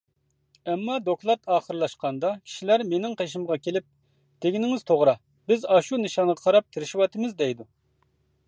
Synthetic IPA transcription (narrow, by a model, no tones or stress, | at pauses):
ɛmːɑd̪oklˠɑt̪ʰɑːχəɾɨlˠɑʃqɑnd̪ɑkʲʰi̥ʃilæɾmenɪŋqʰeʃ̬imʁɑkʲʰelɪp̚ | t̪ʰeɡʲinɪŋɪz̥t̪ʰoʁɾɑ | bɪzɑʃunɨʃɑnʁɑqʰɑɾɑp̚t̪ʰɪɾɪʃiwɑt̪ʰɨmɪzd̪ɛjd̪u